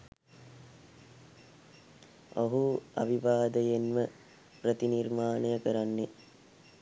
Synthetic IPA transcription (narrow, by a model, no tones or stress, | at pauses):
oɦua̰ʋiʋaːd̪əjenmə | prət̪inirmaːnəjəkəɾanːe